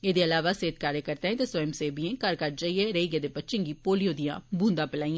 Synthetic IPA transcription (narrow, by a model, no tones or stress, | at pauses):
eːd̪eːəlaːʋaːseːt̪kaːɾekəɾt̪ẽːẽt̪esɔjmseːbiẽːkəɾkəɾd͡ʒaːieːɾeiɡeːd̪eːpətːʃɪ̃ŋɡiːpoːlijõːd̪ɪjã̰ːbʱũːnd̪ãːpɪlaːĩːãː